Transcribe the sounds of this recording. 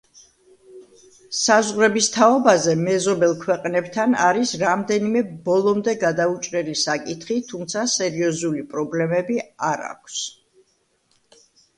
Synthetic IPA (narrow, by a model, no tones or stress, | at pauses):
sazʁɾɛbist̪ʰaɔbazɛmɛzɔbɛlˠkʰwɛqʼnɛbt̪ʰanaɾisɾamd̪ɛnimɛbɔlˠɔmd̪ɛɡad̪aut͡ʃʼɾɛlisakʼit̪ʰχit̪ʰumt̪sʰasɛɾiɔzulipʼɾɔblɛmɛbiaɾa̰kʷʰs